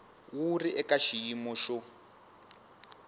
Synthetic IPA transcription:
wuriʔɛkaʃijimɔʃɔ

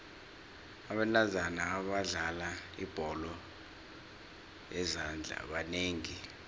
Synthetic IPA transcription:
aɓɛlazanaːɓaɮalaḭb̥ʱɔlɔ | jɛzand͡ɮʱa̰ɓaneːŋi

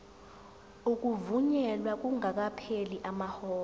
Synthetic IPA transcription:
uk̬ʼuvuɲɛlwak̬ʼuŋak̬apʰeliʔamahɔː

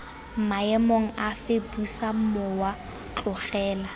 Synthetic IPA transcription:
maɛmoŋ̩afebusamɔwa | t͡ɬʼʊχɛːla

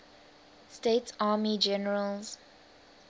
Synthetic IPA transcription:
stetsaːmid͡ʒɛnəɹəlz

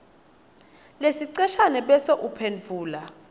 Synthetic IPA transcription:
lesiǀɛʃanɛɓɛsɔʔupʰenvʱuːla

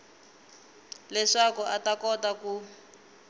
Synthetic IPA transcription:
lɛʂakuʔatakɔtaku

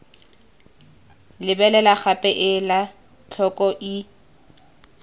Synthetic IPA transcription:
lɪbɛlɛlak͡xapʼɛʔɪla | t͡ɬʰɔkʼɔʔi

